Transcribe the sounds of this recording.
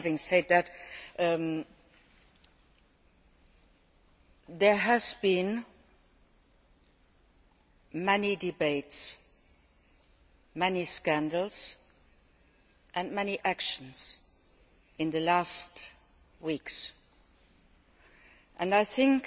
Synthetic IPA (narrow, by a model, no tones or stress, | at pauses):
vɪ̃ŋsɛd̪̚ðɨt | ðə˞əzbĩn | mɛnidɨbeɪts | mɛniskæ̃ndl̩ˠz̥ | ʔɨ̃nmɛniʔækʃə̃n̩z̥ | ɨ̃nðɨlæst | wiks | ʔɨ̃naɪθɪ̃ŋk